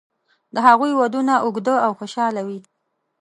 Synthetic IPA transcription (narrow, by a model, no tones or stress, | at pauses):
d̪əɦaɣujwad̪unaʔʊɡd̪əawxoʃɑlawi